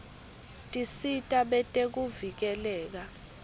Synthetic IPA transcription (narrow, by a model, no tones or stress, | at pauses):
tʼisitʼaɓɛtʼek̬uvik̬ɛlɛːk̬a